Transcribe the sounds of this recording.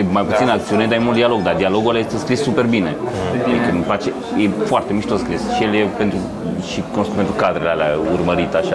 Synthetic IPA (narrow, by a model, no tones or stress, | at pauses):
jemajput̪sinak̚t̪sioet̪amimult̪d̪ialo̞ɡd̪ad̪ialo̞ɡualjest̪eskɾissupe̞rbine̞ad̪ikəupat͡ʃe | jefoart̪e̞miʃt̪oskɾisʃijeljepent̪ɾu | ʃikonoskut̪pent̪ɾukad̪ɾelealaurməɾit̪aʃa